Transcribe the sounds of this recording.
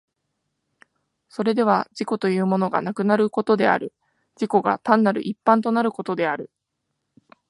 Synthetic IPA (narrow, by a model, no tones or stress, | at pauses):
so̞ɾe̞d̪e̞β̞ad͡ʑiko̞t̪o̞jɯ̟ːmo̞no̞ɡa̰nakɯ̟naɾɯ̟ko̞t̪o̞d̪e̞a̰ɾɯ̟ | d͡ʑiko̞ɡa̰t̪ãnːaɾɯ̟̰ʔipːãnt̪o̞naɾɯ̟ko̞t̪o̞d̪e̞aɾɯ̟